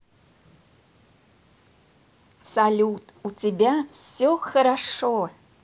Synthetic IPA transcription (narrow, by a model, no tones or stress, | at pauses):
salʲutʼutʰebʲasoxɐɾaʂo